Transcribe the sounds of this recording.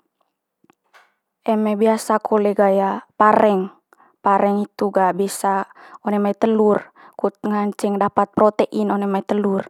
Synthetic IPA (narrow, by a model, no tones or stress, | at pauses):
ɛmɛbiasakɔlɛɡajapaɾɛŋ | paɾɛŋit̪uɡabisaɔnɛmait̪əlur | kut̪̚ŋaɲt͡ʃɛŋdapat̪̚pɾɔt̪ɛʔinɔnɛmait̪əlur